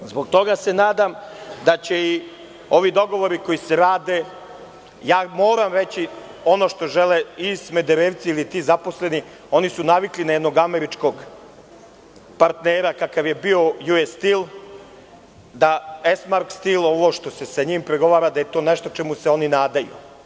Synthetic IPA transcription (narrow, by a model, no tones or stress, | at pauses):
zbo̞ɡ̚t̪o̞ɡase̞naːd̪amd̪at͡ɕei | o̞ʋid̪o̞ɡo̞ʋo̞ɾiko̞ise̞ɾaːd̪e̞ | jaːmoːɾamɾet͡ɕi | o̞no̞ːʃt̪oʒeleisme̞d̪eɾeːʋt̪siilit̪izaposle̞ni | o̞nisunaʋiklinajɛd̪noɡameɾit͡ʂko̞ɡ | paɾt̪neːɾakakaʋje̞bio̞juest̪il | d̪aesmaɾkst̪ilˠo̞ʋo̞ʃt̪o̞se̞saɲimpɾeɡo̞ʋaːɾad̪aje̞t̪o̞ːneʃt̪o̞t͡ʃemuseo̞ninaːd̪ajṵ